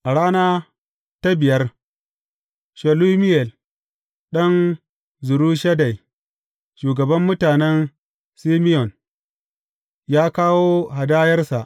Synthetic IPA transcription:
ʔa˨ɽaː˦naː˦ | ta˦bɪ˨jɐ˦r | ʃɛ˨lu˦mɪ˦jɛ˨l | ɗɐ˦n | zʊ˨ɾuː˦ʃɐ˦da˨j | ʃuː˨ɡɐ˨bɐ˦mːʊ˦taː˨nɛ˦n | si˦mɪ˦jɔ˨n | jaː˦kaː˦woː˦ɦa˨daː˦jɐ˦rsa˨ʔ

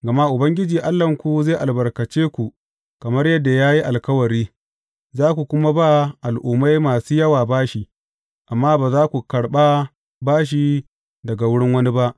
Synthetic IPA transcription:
ɡɐ˨ma˦ʔʊ˨bɐ˦ŋɡʲɪ˦d͡ʒiː˨ʔa˦lːɐ˨ŋkʷu˨zeː˦˨ʔa˨lbɐ˨rkɐ˨t͡ʃeː˦kʷu˨ | kɐ˨mɐ˦rjɐ˦dːa˨jaː˦ji˦ʔa˨lkɐ˦wɐ˨ɾiː˦ | zaː˦kʷu˨kʷʊ˦ma˦ba˦ʔa˨lʔʊ˨ma˦jmaː˨suː˦jɐ˦waː˨baː˦ʃi˨ | ʔa˨mːaː˦baː˨zaː˦kʷu˨kɐ˨ɽɓa˦ | baː˦ʃ̬i˨ | dɐ˨ɡa˨wʊ˦ɽɪ˦ŋwɐ˦ni˦ba˦ʔ

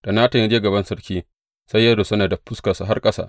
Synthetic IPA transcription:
d̥a˨naː˦ta˨ɲi˦d͡ʒeː˦ɡɐ˨bɐ˦nsɐ˦rkʲiː˦ | sa˦jːaː˦do˨sɐ˦naː˨da˨ɸʊ˦ska˨su˨ɦa˦rkʼɐ˦sa̰˦˨ʔ

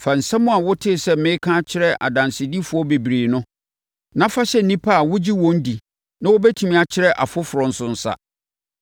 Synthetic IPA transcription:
fa˨n̩˨sã˦mʊ̃˦a˨wʊ˦tʰɪ˦˨sɛ˦˨mɪ̃˦kʰã˦t͡ɕʰɪ˦ɾɛ˦ʔa̰˨dã˨nsɪ˨di˦fʊ˦ɔ˦be˨bɾiː˨nʊ̃˦ | nã˦fa˦ɕɛ˦˨n̩˨nĩ˦pʰa˦a˨wʊ˦d͡ʑi˦wɔ̃˦n̩˦di˨ | nã˦wɔ˦bɛ˦tʰi˨mĩ˦˨a˨t͡ɕʰɪ˦ɾɛ˦ʔa̰˨fʊ˦fʊ˨ɾɔ̃˨n̩˨sʊ̃˨n̩˨sa̰˨

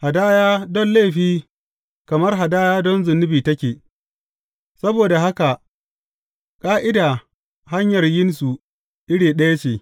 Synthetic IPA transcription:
ha˨daː˦jaː˦dɔ˦nle˦˨ɸiː˦ | kɐ˨mɐ˦rɦa˨daː˦jaː˦dɔ˦nzʊ˨nːɪ˦biː˨tɐ˦kʲeː˨ | sɐ˦boː˨da˨ɦa˦ka˨ʔ | kʼaː˦ʔɪ˦da˨ | ɦa˦ɲjɐ˨rjɪ˦nsu˨ | ʔɪ˦ɽiː˨ɗɐ˦ja˦t͡ʃeː˨

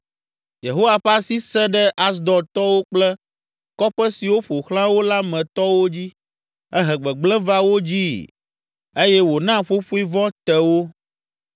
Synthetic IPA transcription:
je˨ɦo˦wa˨ɸa˦si˦sɛ˦ɖɛ˦ʔa˦s̬d̪ɔ˨t̪ɔ˦wo˦k͡plɛ˦ | kɔ˦ɸɛ˦si˨wo˦ɸo˨xlã˦wo˦la˦mɛ̃˨t̪ɔ˦wo˦d͡ʑi˦ | ɛ˦ɦɛ˨ɡ͡bɛ˨ɡ͡blɛ̃˦va˦wo˦d͡ʑi˦ | e˦jɛ˦wo˨nã˦ɸo˦ɸu˦i˦vɔ̃˦t̪ɛ˨wo˦

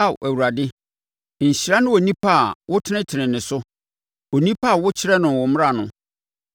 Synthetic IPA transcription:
a˦˨w̰ʔæ˨wu˨ɾa˨dɪ˦ | ɲ̩˨ɕi˨ɾa˦nʊ̃˦wo˨nĩ˦pʰa˦˨wʊ˦tʰɪ˦nɪ̃˦tʰɪ˨nɪ̃˨nɪ̃˨sʊ˦ | o˨nĩ˦pʰa˦˨wʊ˦t͡ɕʰɪ˦ɾɛ˦nʊ̃˨wʊ˨m̃˦a˨nʊ̃˦

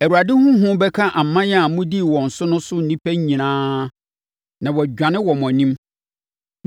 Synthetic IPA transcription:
æ˨ɾu˨a˨dɪ˦hʊ̃˦ɦʊ̃˦bɛ˦kʰa˦ʔa˨m˨mã˦jɛ˦a˨mʊ̃˦di˦˨wɔ̃˨n̩˨sʊ˦nʊ̃˦sʊ˦n̩˨nĩ˦pʰæ˦ĩ˨nãː˦ | nã˨wɔ˨d͡ʑᶣã˨nɪ̃˦wɔ˨mɔ̃˨nĩ˦m

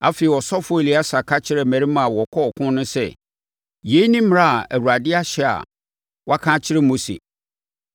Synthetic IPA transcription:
a̰˦fe˨i˨wɔ˨sɔ˦fʊ˦e˨li˨˦a˦sa˨kʰa˦t͡ɕʰɪ˦ɾɛ˨mæ̃˨ɾi˦mã˨wɔ˨kʰɔ˦ɔ˨kʰʊ̃˦nʊ̃˦sɛ̰˦˨ | je˨˦nĩ˦m˨a˦˨a˨æ˨wu˨a˨dɪ˦a˦ɕɛ˦˨a̰˨ | wɔ˦a˦kʰã˦t͡ɕʰɪ˦ɾɪ˦mo˦sḛ˨

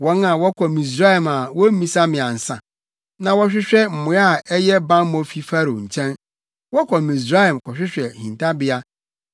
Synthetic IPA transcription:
wɔ̃˦na˨wɔ˦kʰɔ˨mĩ˨s̬ɾa˦hɛ˨ma˨wɔ˦ĩ˨sa˦mɪ̃˨a˨n̩˨sã̰˨ | nã˨wɔ˦ɕᶣɪ˦ɕᶣɛ˦m̩˨mʊ̃˨˦a˦˨ɛ˦jɛ˦bã˦m˦mɔ̃˦fi˦fa˦ɾo˨ɲ̩˨t͡ɕʰɛ̃˦n | wɔ˦kʰɔ˨mĩ˨s̬ɾa˦hɛ˨mkʰɔ˨ɕᶣɪ˦ɕᶣɛ˨hĩ˨ntʰa˦bɪ˦a˦

